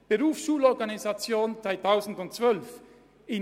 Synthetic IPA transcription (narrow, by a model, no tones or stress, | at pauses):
b̥əʁuːfsʃuːlɔɐɡanizat͡sjoːnt͡sv̥aɪtʰaʊzn̩dʊntt͡sv̥œlf | ɪ